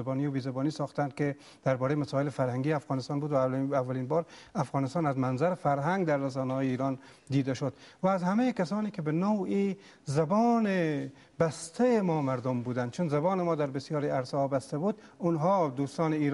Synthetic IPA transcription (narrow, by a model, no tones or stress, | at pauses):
bɔːniːbiːzabɔːniːsɒːxt̪ænd̪̚ke | d̪̥æɾbɒːɾejmasɔːɪlefæɾhæŋɡiːafɣɑːnɪst̪ɑːnbuːd̪vaavːæliːnbɒːɾafɣɑːnɪst̪ɑːnæzmænzæɾfæɾɦæŋɡd̪æɾːas̬ɔːnahɔːjeiːɾɑːn | d̪iːd̪aʃod̪væːzhamejkasɔːniːkebenowi | zabɔːne | bæst̪ʰæjemɔːmæɾd̪ombuːd̪ænd̪̚t͡ʃʰunzabɑːnemɔːd̪æɾbɪsjɒːɾiæɾsɒːbast̪abuːd̪ | ʊnɦɔːd̪uːst̪ɑːneiːɾ